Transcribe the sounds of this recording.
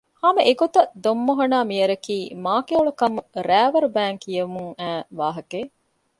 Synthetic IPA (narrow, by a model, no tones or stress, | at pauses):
haːmeʔeɡot̪ɐd̪omːoɦɐnaːmijɐɾɐkiːmaːkeoɭukɐmɾæːʋɐɾubæːŋkijɐmuŋæːʋaːɦɐkeː